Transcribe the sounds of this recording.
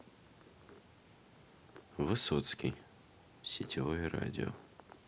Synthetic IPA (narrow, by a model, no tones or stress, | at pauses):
vɨsot̪skʲij | sʲɪtʲʰivojɛra̰dʲɪo̰